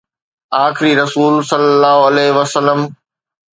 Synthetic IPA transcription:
aːxɪɾiɾɐsuːlsɐlːəlːaːɦoɐlɛːɦɪʋɐsəlːəm

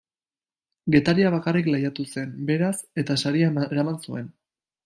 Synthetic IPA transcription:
ɡe̞t̪aɾiaβ̞akariklajat̪use̞mbe̞ɾase̞t̪asaɾiaeɾamansue̞n

